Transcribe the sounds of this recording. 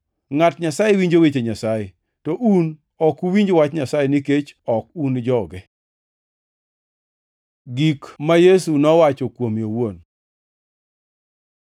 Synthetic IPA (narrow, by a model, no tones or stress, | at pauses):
ŋatɲasajewiɲd͡ʒowet͡ʃeɲasaje | tɔʔun | ɔkuwiɲd͡ʒowat͡ʃɲasajeniket͡ʃɔkund͡ʒɔɡɛ | ɡikmajesunɔwat͡ʃɔkwomjowon